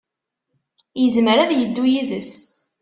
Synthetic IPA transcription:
jəzməɾæðjəd̪ːujiðəs

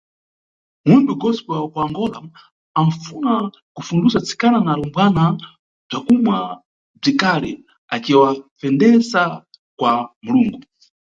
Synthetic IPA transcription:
munbuɡɔspakuaŋɡɔlaː | mfuna | kufundusat͡sʰi̥kananalɔmbwana | b͡ʐakumwa | b͡ʐikalɛ | at͡ʃiwafɛndɛsa | kwamuluːŋɡu

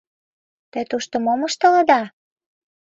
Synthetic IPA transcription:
t̪ĕt̪uʃt̪ŏmoməʃt̪ɤ̆lɤ̆d̪ɑ

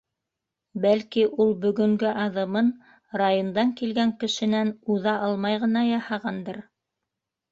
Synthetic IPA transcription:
bælkiʔulˠbɵ̆ɡɵ̆ŋɡɘʔɑðɤ̆mɤn | rajond̪ɑŋkilɡæŋkɘ̆ʃɘ̆nænuðɑʔɑlˠmɑjʁɤ̆nɑjɑhɑʁɑnd̪ɤɾ

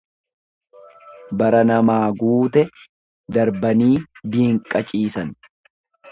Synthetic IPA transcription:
bɐɾɐnɐmaːɡuːt̪ɛ | d̪ɐɾbɐniːb̪iːŋkʼɐt͡ʃʼiːsɐn

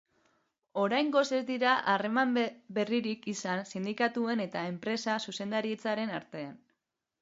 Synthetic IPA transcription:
o̞ɾajŋɡo̞se̞zd̪iɾaʔare̞mambe̞riɾikisansind̪ikat̪ue̞ne̞t̪ae̞mpɾe̞sasuse̞nd̪aɾie̞t͡saɾe̞naɾt̪e̞an

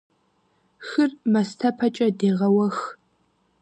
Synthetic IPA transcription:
xɨrmɐstʰɐpʰɐt͡ʃʼɐdeːʁɐwɐx

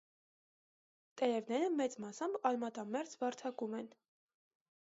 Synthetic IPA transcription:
t̪ɛɾɛvnɛɾəmɛt͡smɑsɑmbɑlmɑt̪ɑmɛɾt͡svɑɾt͡sʰɑkumɛn

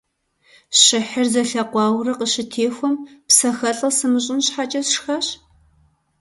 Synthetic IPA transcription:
ɕɪħɪrzɐɬɐqʷɑːwrɐqəɕɪtʰeːxʷɔmpsɐxɐɬʼɐsɨmɨɕ̬ʼɪnɕħat͡ʃʼɐsʂxaːɕ

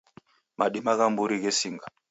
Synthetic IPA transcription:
maɗimaɣambuɾiɣɛsiŋɡa

